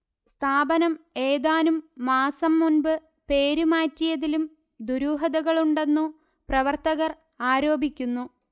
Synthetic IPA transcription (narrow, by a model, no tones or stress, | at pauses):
st̪ʰaːbɐnɐme̞ːðaːnumːaːsɐmːunbɨ | pe̞ːɾumaːtːijɐðilum | d̪uɾuːɦɐðɐɣɐɭuɳɖe̞nːu | prɐʋɐrt̪ɐɣɐr | aːɾo̞ːbʱikʲːunːu